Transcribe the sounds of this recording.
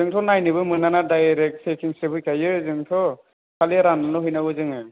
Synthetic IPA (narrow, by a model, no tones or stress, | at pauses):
zɯŋtʰɔnajnɯbɯmɯnanadajɾek̚t̚sʰekʰiŋsɾebʰɯjkʰajɯzɯŋtʰɔ | kʰaliɾananɔɦɯjnaɡɯzɯŋɯ